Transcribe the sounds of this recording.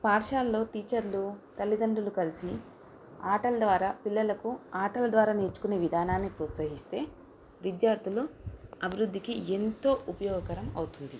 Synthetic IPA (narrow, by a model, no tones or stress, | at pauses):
paːɾʂaːlːo̞ːʈiːt͡ʃɐɾlut̪ɐlːid̪ɐɳɖulukɐlisi | aːʈɐlɐd̪ʋaːɾaːpilːɐlɐkuaːʈɐlɐd̪ʋaːɾaːneɾt͡ʃu̥kuneːʋid̪ʱaːnaːnːipɾuːt̪sɐɦist̪e̞ː | ʋid̪jaːɾt̪ʰuluɐbʱiɾud̪ʱːikient̪o̞ːʔupɐjɔːɡɐkɐɾɐmɐwut̪und̪i